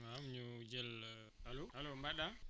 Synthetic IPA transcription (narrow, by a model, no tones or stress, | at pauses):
mamɲud͡ʒɛl | halohalombaɗa